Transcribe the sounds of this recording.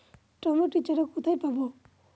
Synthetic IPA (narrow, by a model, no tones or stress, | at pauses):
ʈɔmɔʈit͡ʃɔɾɔkut̪ʰajpabɔ